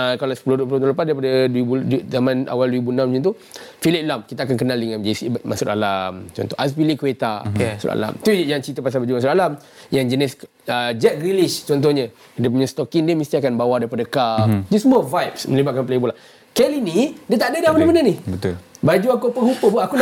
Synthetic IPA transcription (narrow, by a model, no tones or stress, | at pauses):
əkalasə̥pulodupulot̪oləpasdaɾipadadibuzamãna̰walduibunãmd͡ʒũt̪u | filiʔlamkit̪aːkank̬ənaldəŋãnd͡ʒaisibmasut̪a̰lamt͡ʃɔ̰nt̪ɔʔaspilikuwet̪amasṵta̰la̰mt̪ujaŋt͡ʃit̪apas̬albad͡ʒumasut̪alam | jaŋd͡ʒənɪs | əd͡ʒɛt̪̚ɡɾiliʃt͡ʃɔnt̪̬ɔhɲə | dap̬uɲãst̪ɔkiŋdiəmĩst̪iakanbawadaɾipadakafd͡ʒisəmuavajp̚smə̃libat̪̚kanpleibula | kɛlinidiət̪aʔadadiamənəmənənibət̪ubad͡ʒuakupəhupəbuaʔakun